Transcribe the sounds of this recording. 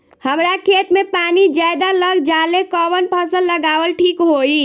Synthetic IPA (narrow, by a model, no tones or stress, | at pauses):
həmɾakʰet̪mepanid͡ʒajd̪aləɡd͡ʒalekəbənpʰəsəlːəɡaʋəlʈʰikɦoi